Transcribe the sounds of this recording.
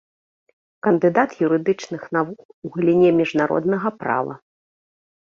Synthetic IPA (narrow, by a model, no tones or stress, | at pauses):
kɐnd̪ɨd̪at̪juɾɨd̪ɨt͡ʂnɨxnavukuɣɐlʲinʲɛmʲiʐnaɾɔ̰d̪n̪ɐɣɐpɾa̰vɐ̰